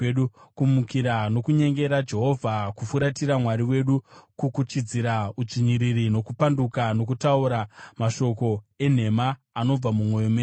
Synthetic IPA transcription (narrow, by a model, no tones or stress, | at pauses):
ɗukumukiɾano̞kuɲe̞ŋɡe̞ɾad͡ʒe̞ɦo̞vʱakufuɾatiɾamwaɾiwe̞ɗukukut͡ʃid͡ziɾaud͡ʐiɲiɾirino̞kupandukano̞k̬utauɾamaʃo̞ko̞e̞n̤e̞maː | no̞b͡vamumwo̞jome